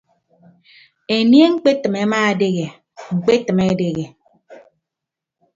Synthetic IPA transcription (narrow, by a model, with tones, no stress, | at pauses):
e˨nje˦ŋ͡m̩˦k͡pe˦tɨ˨me˨˦maː˦a˨de˦ɣe˨ | ŋ͡m̩˨k͡pe˦tɨ˨me˦de˨ɣe˨